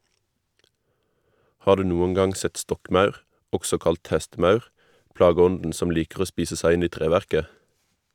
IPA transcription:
ˈhɑːʁ ˈdʉː ˈnuːəŋ ˈɡɑŋ ˈsɛt ˈstɔkˌmɑʉʁ ˈɔɡsɔ ˈkɑlt ˈhɛstˌmɑʉʁ ˈpɽɑːˌɡɔndn̩ ˈsɔm ˈliːkʁ̩ ˈoː ˈspiːsə ˈsæɪ ˈɪn ˈiː ˈtʁeːʋæʁkə

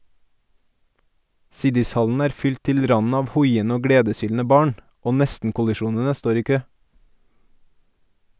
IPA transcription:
ˈsɪdɪsˌhɑln̩ ˈæːɾ ˈfʏlt ˈtɪl ˈɾɑnn̩ ˈɑːʋ ˈhɔʏənə ˈoː ˈɡɽeːdəˌsyːln̩ə ˈbɑːɳ ˈoː ˈnɛstn̩kʊlɪˌʃuːnənə ˈstoːɾ ˈiː ˈkøː

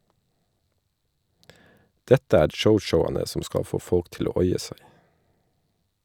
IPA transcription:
ˈdɛtə ˈæːɾ ˈʃəʊʃəʊɑnə ˈsɔm ˈskɑ ˈfoː ˈfɔlk ˈtɪl ˈoː ˈɔʏɛ ˈsæɪ

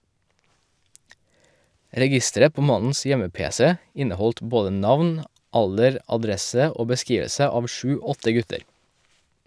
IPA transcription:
ɾɛˈɡɪstəɾə ˈpoː ˈmɑnn̩s ˈjɛməˌpeːsɛ ˈɪnəˌhɔlt ˈboːdə ˈnɑʋn ˈɑldəɾ ɑˈdɾɛsə ˈoː bəˈskiːʋəsə ˈɑːʋ ˈʃʉː ˈɔtə ˈɡʉtəɾ

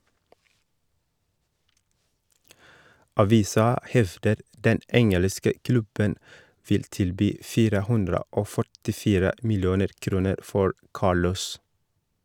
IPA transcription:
ɑˈʋiːsɑ ˈhɛʋdəɾ ˈdɛn ˈɛŋələskə ˈklʉbən ˈfɪl ˈtɪlˌbyː ˈfiːɾə ˈhʉndɾə ˈoː fœʈɪˈfiːɾə ˈmɪlˌjuːnəɾ ˈkɾuːnəɾ ˈfɔɹ ˈkɑːɭɔs

